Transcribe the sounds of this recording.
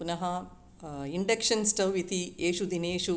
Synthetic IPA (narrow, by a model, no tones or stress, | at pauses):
punɐɦɐ | iɳɖɐkʂɐnsʈɐwʋit̪ieːʃud̪ineːʃu